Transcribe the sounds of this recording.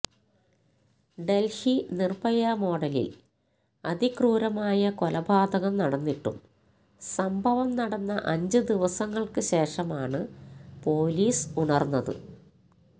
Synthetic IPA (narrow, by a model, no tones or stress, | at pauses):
ɖe̞lhinirbɐjamo̞ːɖɐlḭl | ɐd̪ʱikruːɾɐmaːjɐkolɐbʱaːd̪ɐɣɐmnɐɽɐnːiʈːṵm | sɐmbʱɐʋɐmnɐɽɐnːɐʔɐɲd͡ʑɨd̪iʋɐsɐŋːɐɭkɨɕe̞ːʂɐmaːɳɨpo̞ːliːsuɳɐrnːɐðɨ̰